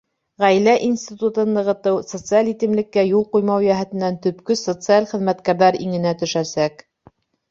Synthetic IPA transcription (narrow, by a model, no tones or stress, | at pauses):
ʁæjlæʔinsʲt̪ʲit̪ut̪ɤ̆nd̪ɤ̆ʁɤ̆t̪ɤwsot̪sɨalit̪ɘ̆mlɘ̆kːæjulˠqujmɑwjæɦæt̪ɘ̆nːænt̪ɵ̆pkɵsot̪sɨalχɘ̆ðmæt̪kæɾðæɾiŋɘ̆næt̪ɵ̆ʃæsæk